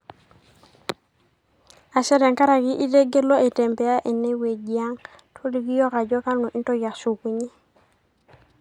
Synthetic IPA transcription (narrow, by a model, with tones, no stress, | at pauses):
a˨se˦ɾe˨ŋka˦ɾa˨ɡi˦ʔi˦de˦ɡe˦lo˦e˨te˨mpe˨ja˦ʔe˨nːe˦we˨ɡi˨ja˦ŋ | tʰo˦li˨ɡi˦jo˦ka˨d͡ʒo˦ka˦lnu˨ʔi˦nto˦ja˨ksu˨ku˨ɲi˦